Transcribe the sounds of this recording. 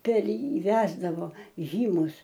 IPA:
pʲɛr ˈjiː ˈʋʲæːzdɐʋoː ˈʒʲiːmʊs

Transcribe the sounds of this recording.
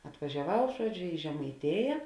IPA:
ɐtʋɐʒʲɛˈʋɐʊ ˈʒuɔˌd͡ʒʲoː ɪ ʒʲɛmɐɪˈtʲeːjɛ

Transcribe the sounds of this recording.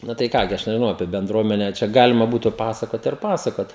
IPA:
ˈnʊ tɐɪ ˈkɑː ɡʲɪ ˈɐʃ nʲɛʒʲɪˈnɐʊ ɐpʲiɛ bʲɛnˈdruɔmʲɛnʲɛ t͡ʃʲɛ ˈɡɑːlʲɪmɐ ˈbuːtʊ ˈpɑːsɐkoːt ɪr ˈpɑːsɐkoːt

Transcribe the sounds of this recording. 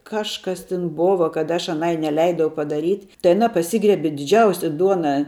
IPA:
ˈkɑːʃkɐs tʲɪn ˈboːʋɐ kɐt ɐʃ ɐˈnɐɪ nʲɛˈlʲɛɪdɐʊ pɐdɐˈrʲiːtʲ tɐɪ ɐˈnɐ pɐˈsʲiːɡrʲiɛbʲɪ dʲɪˈd͡ʒʲɛʊsʲɛ ˈduɔnɑː

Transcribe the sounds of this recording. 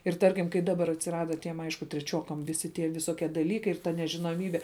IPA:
ɪr ˈtɐrʲkʲɪm kɐɪ ˈdɑːbɐr ɐtʲsʲɪˈrɑːdɐ tʲiɛm ˈɐɪʃkʊ tʲrʲɛˈt͡ʃʲuɔkɐm ˈʋʲɪsʲɪ tʲiɛ ʋʲɪˈsoːkʲiɛ dɐˈlʲiːkɐɪ ɪr tɐ nʲɛʒʲɪnoːˈmʲiːbʲɛ

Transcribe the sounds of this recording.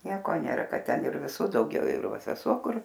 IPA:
ˈnʲiɛkoː ˈnʲeːrɐ ˈkɐt ˈtʲɛn ɪr ʋʲɪˈsuː dɐʊˈɡʲɛʊ ɪr ˈʋɐ sʲɛˈsuɔ ˈkʊr

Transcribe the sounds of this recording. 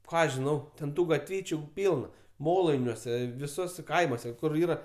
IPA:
ˈkɑː ʒʲɪˈnɐʊ tʲɛn ˈtuː ɡɐtʲˈʋʲiːt͡ʃʲʊ ˈpʲiːlˠnɐ ˈmoːlˠɐɪnʲuɔsʲɛ ʋʲɪˈsuɔsʲɛ ˈkɐɪmuɔsʲɛ ˈkʊr ˈiːrɐ

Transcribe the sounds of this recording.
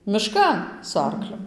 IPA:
mʲɪˈʃkɐn sʊ ˈɐrklʲʊ

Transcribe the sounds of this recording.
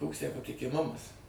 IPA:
ˈkoːks tʲæː pɐtʲɪkʲɪˈmʊmɐs

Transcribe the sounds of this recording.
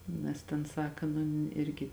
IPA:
ˈnʲɛs tʲeːn ˈsɑːkɐ nʊ ˈɪrʲɡʲɪ

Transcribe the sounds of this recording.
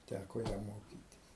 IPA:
ˈtʲækoː ˈjɛm ˈmoːkʲiːtʲɪs

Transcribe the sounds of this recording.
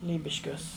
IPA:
ˈlʲiːbʲɪʃʲkʲuɔs

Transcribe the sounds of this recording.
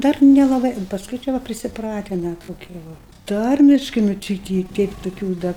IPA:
ˈdɐr nʲɛlˠɐˈbɐɪ pɐsˈkʊɪ t͡ʃʲɛ ˈʋɐ pʲrʲɪsʲɪˈprɑːtʲɪnɐ toːˈkʲiɛ ˈʋɐ ˈtɐrʲmʲɪʃkɐɪ nʊ ˈt͡ʃʲɪ ɪ ˈtʲɪ ˈtʲɛɪp tʊˈkʲuː dɐ

